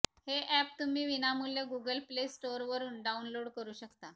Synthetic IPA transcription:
heʔɛp̚t̪um̤iːʋinamuljeɡuɡəlplesʈoɾʋəɾuːnɖaunloɽkəɾuːɕəkt̪a

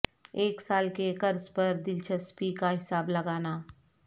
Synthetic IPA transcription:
eːksaːlkekɐɾzpɐɾd̪ɪlt͡ʃɐspikaɦɪsaːblɐɡaːnaː

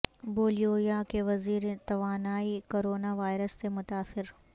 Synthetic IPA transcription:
boːlijoːjakeʋɐziːɾet̪ɐʋaːnaːikoːɾoːnaʋaːɪɾəsːemʊt̪aːsɪɾ

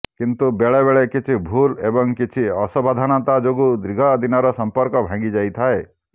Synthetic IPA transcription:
kint̪ubeɭebeɭekit͡ʃʰibʱulebɔŋkit͡ʃʰiɔsɔbad̪ʱanɔt̪ad͡ʒoɡud̪ɾiɡʱɔd̪ʱinɔɾɔsɔmpɔɾkɔbʱãŋɡid͡ʒajt̪ʰae

